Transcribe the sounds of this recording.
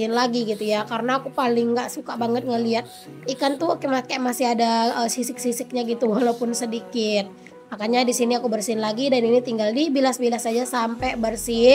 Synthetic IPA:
nlaɡiɡit̪ujakaɾənaːkupalɪŋːɡaʔsukabaŋət̪̚ŋaliat̪̚ | ikant̪ukɛmakɛmasɪɦadaəsisɪk̚sisɪk̚ɲaɡit̪uwalaupʊnsədikɪt̪̚ | makaɲadisiniakubərsiɪnlaɡidaninit̪iŋɡaldibilasbilasad͡ʒasampɛbərsi

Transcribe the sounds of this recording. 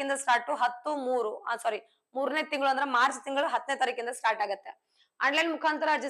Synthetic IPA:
ind̪ɐsʈaːɾʈːuɦɐt̪ːumuːɾuɐsɐːɾi | muːɾneːt̪iŋɡɐɭuɐnd̪ɐɾemaːɾst̪iŋɡɐɭuɦɐt̪ːnet̪ɐɾikind̪ɐsʈaːɾʈaːɡɐt̪ːe | a̰ːɳɖlɐjnmukʰaːnt̪ɐɾɐːɾd͡ʒi

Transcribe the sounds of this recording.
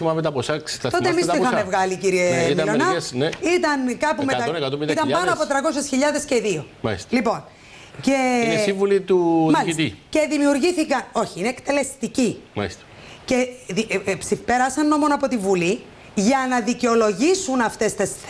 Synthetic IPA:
imɐmet̪ɐposɐkst̪ɐt̪o̞t̪emisoixɐmevɣɐliciɾiemilonɐsneit̪ɐnkɐpumet̪ɐnkɐt̪omit̪ɐmpɐnoɐpo̞t̪ɾɐko̞sesçiʎɐðe̞sceðio̞mɐist̪lipo̞n | cessivulit̪umɐliit̪ice̞ðimiuɾʝiθikɐno̞çiineːkt̪e̞le̞st̪icimɐ̰ist̪e̥ | ce̞ðipsifpe̞ɾɐsɐnːo̞mo̞noɐpo̞t̪ivuli | ʝɐnɐðiceo̞lo̞ʝisunɐft̪e̞st̪es

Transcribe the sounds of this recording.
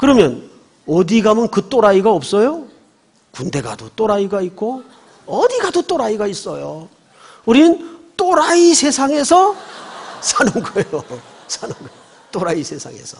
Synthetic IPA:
kɯɾʌmjʌn | ʌdiɡamɯnkɯt͈oɾaiɡaʌp̚s͈ʌjo | kunde̞ɡa̰dot͈oɾaiɡaik͈ʰo | ʌdiɡadot͈oɾaiɡais͈ʌjo | uɾinɯnt͈oɾaisʰe̞sʰaŋe̞sʰʌ | sʰanɯnɡʌjo | sʰanɯnɡʌo | t͈oɾaisʰe̞sʰa̰ŋe̞̰sʰʌ̥

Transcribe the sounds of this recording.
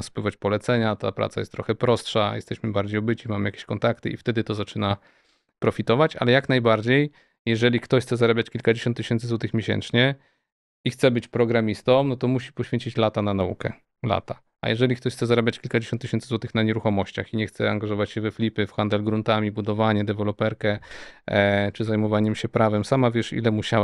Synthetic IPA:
spwɘvat͡ɕpɔlɛt̪sɛɲat̪a̰pɾa̰t̪sa̰jɛst̪ːɾɔ̰xɛpɾɔstʂajɛ̰st̪ɛɕmɘbaɾd͡ʑejɔbɘt͡ɕimamɘjakʲe̥ɕkɔnt̪akt̪ɘ̰ift̪ɛd̪ɘt̪ɔzat͡ʂɘna | pɾɔfʲit̪ɔvat͡ɕa̰lɛjaknajbaɾd͡ʑej | jɛʐɛlʲikt̪ɔɕxtsɛzaɾabʲjat͡ɕkʲilkad͡ʑeɕɔnt̪ːɨɕɛnt̪ɘzwɔt̪ɘxmʲjeɕɛ̰nt͡ʂɲɛ | ixt̪sɛbɘt͡ɕpɾɔɡɾamʲist̪ɔmnɔt̪ɔmuɕi̥pɔɕfʲeɲt͡ɕit͡ɕlat̪ananaṵkɛ̰ | la̰t̪a | ʔa̰jɛʐɛlʲikt̪ɔɕxt̪sɛzaɾabʲjat͡ɕkʲilkad͡ʑeɕɔnt̪ːɨɕɛnszwɔt̪ɘxnaɲɛɾuxɔmɔɕt͡ɕa̰xiɲɛxt̪sɛa̰ŋɡaʐɔvat͡ɕɕɛvɛflʲipɘfxand̪ɛlɡɾunt̪amʲibud̪ɔvaɲɛd̪ɛvɛlɔpɛɾkɛ | t͡ʂɘzajmɔvaɲɛmɕɛpɾavɛmsamavʲjɛʂḭlɛmuɕa

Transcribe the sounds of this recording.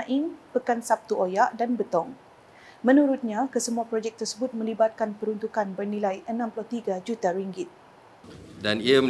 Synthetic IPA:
ʔɪnpəkansap̚t̪uʔojaʔdanbət̪ɔŋ | mə̃nuɾut̪̚ɲãkəsəmuapɾod͡ʒɛk̚t̪ərsəbʊt̪̚mə̃libat̪̚kanpəɾunt̪ukanbərnilajʔənãmpulɔht̪iɡad͡ʒut̪aɾiŋɡɪt̪̚ | daniamə

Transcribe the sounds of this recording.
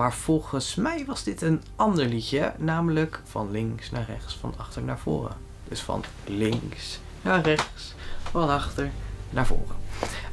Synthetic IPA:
maːɹv̥ɔlˠχənsmɛjʋɑzdɪtən | ɑndəɹlicənaːmələkfɑnlɪŋsnaːrɛχtsfɑ̰nɑχtəɹnaːɹv̥ʊ̰ːrə̰ | d̥ɵsfɑ̰n | lɪŋs | naːrɛχts | fɑnɑχtəɹnaːɹvo̰ːrə

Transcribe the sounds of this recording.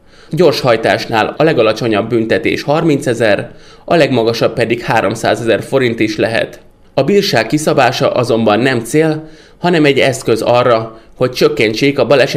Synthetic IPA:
ɟo̞rʃhɒjt̪aːʃnaːlɒlɛɡɒlɒt͡ʃo̞ɲɒbːynt̪ɛt̪ḛːʃhɒrmint̪sɛzɛr | ɒlɛɡmɒɡɒʃɒpːɛd̪ikhaːɾo̞msa̰ːzɛzɛrfo̞ɾint̪iʃlɛɦɛ̰t̪ | ɒbiːrʃaːkːisɒbaːʃɒ̰ʔɒzo̞mbɒnːɛmt̪seːl | hɒnɛmɛɟɛskøzɒrːɒho̞c̚t͡ʃøkːɛɲt͡ʃeːkɒbɒlɛʃ

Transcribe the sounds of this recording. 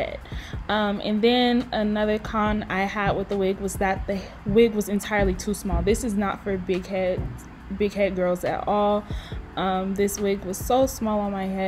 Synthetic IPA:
ɛ̰d̥̚ʌ̃mʔɨ̰̃nðɨ̃nɨnʌðə˞kʰɑ̃naɪəd̚wɨðəwɪɡwʌzðɨt̪̚ðɨ | wɪɡwʌzɨ̃ntʰaɪə˞lˠitʰusmɔlˠðɪsɨznə̰tfə˞bɪɡhɛd | bɪɡ̚hɛd̚ɡɜ˞lˠzɨ̰ɾɔlˠʔʌ̃mðɪswɪɡwʌz̥soʊsmɔlˠə̃nmaɪhɛ

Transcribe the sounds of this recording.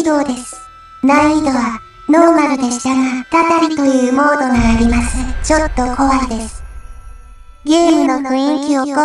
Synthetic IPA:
d̪o̞ːd̪e̞sɨ̥ | naiid̪o̞βa | no̞ːmaɾʲid̪e̞ɕi̥t̪aŋḁk̪at̪aɾʲit̪o̞jɯ̟ːmo̞ːd̪o̞ŋaːɾʲimasɨt͡ɕo̞t̪ːo̞kʰo̞βaid̪e̞sɨ̥ | ɡʲeːmɯ̟no̞kɯ̟ĩŋkʲioko

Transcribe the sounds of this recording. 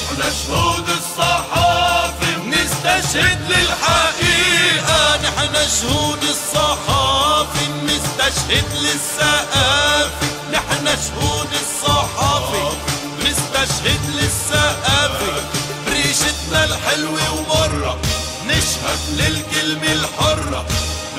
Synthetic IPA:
naʃhuːd̪ɪsˤːɑħɑːfinɪst̪aʃhɪd̪lɪlħaʔiːʔanɪħnaʃhuːd̪ɪsˤːɑħɑːfinɪst̪aʃhɪd̪lɪsːaʔafi | nɪħnaʃhuːnɪsˤːɑħɑːfi | nɪst̪aʃhɪd̪lɪsːaʔaːfi | bɾiːʃɪt̪nalħɪlwiwbɑrˤːɑ | nɪʃhɪd̪lɪlkɪlmɪlħʊrˤː

